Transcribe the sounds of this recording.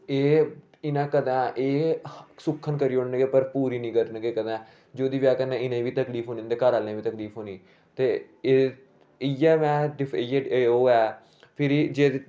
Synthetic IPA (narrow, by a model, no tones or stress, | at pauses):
eː | ɪnãːkəd̪ɛ̃ːʔeːsʊkʰːənkəɾiːoɽnɡeːpəɾpuːɾiːnĩːkəɾnɡeːkəd̪ɛ̃ː | d͡ʒoːd̪iːʋjaːkənːẽːɪnẽːʋiːt̪əkliːpʰɦoːnĩːd̪eːkaɾaːlẽːʋiːt̪əkliːpʰɦoːniː | t̪eː | eː | ɪjɛːmɛ̃ːɖɪeeoːɛː | pʰɪɾd͡ʒeː